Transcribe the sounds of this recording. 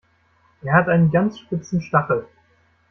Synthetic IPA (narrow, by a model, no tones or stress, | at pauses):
ʔeːɐhatʔaɪnənɡant͡sʃpɪt͡sn̩ʃtaχl̩